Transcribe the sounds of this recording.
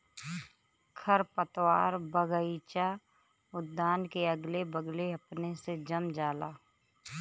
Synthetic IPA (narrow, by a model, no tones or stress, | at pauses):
kʰəɾpət̪waːɾbəɡəit͡ʃa | ʊd̪ːaːnkeəɡlebəɡleɐpnesed͡ʒəmd͡ʒaːlaː